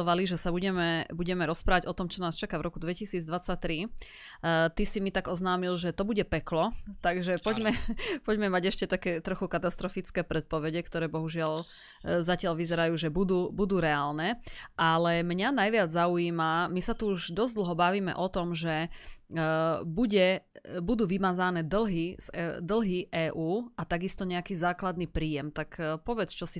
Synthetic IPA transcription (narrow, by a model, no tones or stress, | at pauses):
ɔʋaliʒɛsabuɟɛmɛbuɟɛmɛɾɔspɾaːʋaɟɔt̪ɔmt͡ʃɔnaːst͡ʃakaʋɾʔɔkud̪ʋɛcisiːd͡zd̪ʋat͡sac̚t̪ɾi | t̪isimit̪aɡɔznaːmilʒɛt̪ɔbuɟɛpɛklɔt̪aɡʒɛpɔɟmɛpɔɟmɛmaɟɛʃcɛt̪akɛːt̪ɾɔxukat̪ast̪ɾɔfit͡skɛːpɾɛt̪̚pɔʋɛɟɛkt̪ɔɾɛːbɔɦuʒɪal | zacɪalʋizɛɾajuːʒɛbud̪uːbud̪uːɾɛaːlnɛʔalɛmɲanajʋɪad͡zzauiːmamisat̪uuʒd̪ɔzd̪l̩ˠɦɔbaʋiːmɛ̰ʔɔt̪ɔmʒɛ | buɟɛbud̪uːʋimaːzanɛːd̪l̩ɦiz̥d̪l̩ɦiʔɛːʔuːat̪aɡist̪ɔɲɛakiːzaːklad̪nipɾiːjɛmt̪akpɔʋɛt͡st͡ʃɔsi